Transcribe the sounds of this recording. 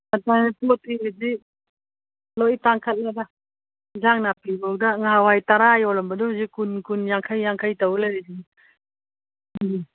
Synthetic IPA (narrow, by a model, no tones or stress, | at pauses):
mataŋnipɔt̚ilizi | lɔjtaŋkʰɐt̚lada | zaŋnapʰiɡɔldaŋawajtaɾajɔlɔmbɐduŋzikunkunjaŋkʰajːaŋkʰajtawlaɾizii